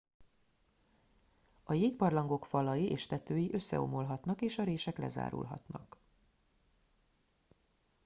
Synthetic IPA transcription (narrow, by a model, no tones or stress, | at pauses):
ɒjeːkpɒrlɒŋɡo̞kfɒlɒjiʔeːʃt̪ɛt̪øːjiʔø̞sːɛ̰o̞̰mo̞lɦɒt̪nɒkeːʃɒɾeːʃɛklɛ̰za̰ːɾṵlɦɒ̰t̪nɒ̰k